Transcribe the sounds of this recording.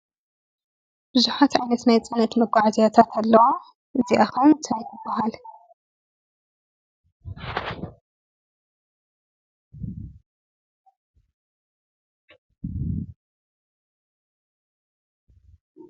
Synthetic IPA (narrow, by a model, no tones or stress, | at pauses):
b̥ɨzuħat̪ʕajnɐt̪najt͡sʼɨnɐt̪mɐɡʷʼaʕzijat̪ʰat̪ʰalːɐwo | ʔɨziʔaxɐwnt̪ʰajj̪ɨbːɐɦal